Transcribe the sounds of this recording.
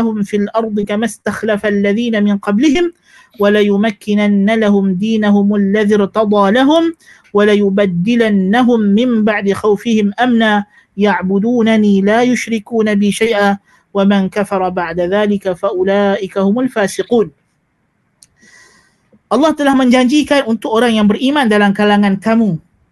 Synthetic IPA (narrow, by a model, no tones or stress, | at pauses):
ahʊmfilʔɑɾˤd̪ˤɨkamast̪axlafalːaðiːnamɪnqɑblɪhɪm | walajʊmakːɪnanːalahʊmd̪iːnahʊmalːaðɪɾt̪ɑd̪ˤɑːlaɦʊm | walajʊbad̪ːɪlanːaɦʊmːɪmbaʕd̪ɪxawfɪhɪmʔamnaː | jaʕbʊd̪uːnaniːlaːjʊʃɾɪkuːnabɪːʃajʔaː | wamankafɑɾˤɑbaʕd̪aðaːlɪkafaʔʊlaːʔɪkahʊmʊlfaːsɪquːn | ʔɑlˤːɑːht̪alaːhmand͡ʒaːnd͡ʒiːkanʔʊnt̪ʊʔʊɾaːʔnjambɪɾʔiːmaːnd̪alaːnkalaːŋank̪amuː